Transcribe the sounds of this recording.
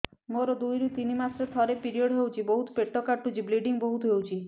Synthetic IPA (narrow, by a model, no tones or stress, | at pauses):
moɾɔd̪ujɾut̪inimasɾet̪ʰɔɾepiɾiɔɽɦewt͡ʃʰibɔɦut̪peʈːɔkaʈut͡ʃʰibliɖiŋbɔɦut̪ɦewt͡ʃʰi